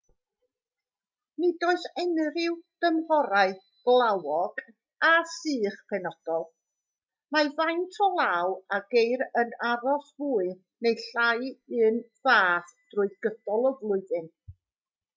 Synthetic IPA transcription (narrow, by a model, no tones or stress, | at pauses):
nidoɨsɛnɾɪwd̥əmhɔɾaɨ | b̥lˠawɔɡ̥ | asɨːχpʰɛnɔd̥ɔlˠ | mavajntʰɔlˠawaɡejɾənaɾɔsvuːɨ | nejɬajɨːn | vaːθd̥rʊɨðɡədɔlˠɔvlˠʊɨðɨn